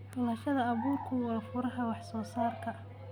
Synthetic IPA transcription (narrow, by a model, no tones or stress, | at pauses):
bɐlɐʃɐðɐɐβuːrkʰʊwɑːfʊɾɐɦɐwɑħsɔːsaːrkʰɐ